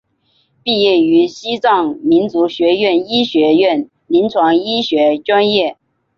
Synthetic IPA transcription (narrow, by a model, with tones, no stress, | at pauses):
pi˥˧jɛ˥˩y˧˥ɕi˥t͡sɑ˥˩ŋmi˧˥nt͡su˧˥ɕɥɛ˧˥ɥɛ˥˩ni˥ɕɥɛ˧˥ɛ˥˩n | li˧˥nt͡sʰwɑ˧˥ŋi˥ɕɥɛ˧˥ʈ͡ʂwa˥njɛ˥˩